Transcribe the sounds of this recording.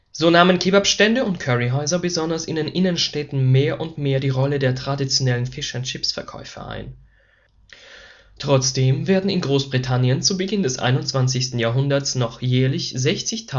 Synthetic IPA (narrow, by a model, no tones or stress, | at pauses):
z̥oːnaːmənkʰeːbapʃtɛndəʊntkʰœʁiɦɔʏzɐbəzɔndɐsɪ̰ndeːnʔɪnənʃtɛtn̩meːɐʔʊntmeːɐdiːʁɔlədeːɐtʁ̥adit͡sjonɛlənfɪʃɐnt͡ʃɪpsfɛɐkʰɔ̰ʏfɐ̰ʔa̰ɪn | tʁ̥ɔt͡sd̥eːmveːɐdn̩ɪnɡʁoːsb̥ʁitʰanjənt͡subəɡɪndɛsʔa̰ɪnʊntt͡sv̥ant͡sɪçstn̩jaːɐɦʊndɐsnɔχjɛːɐlɪçzɛçt͡sɪçtʰa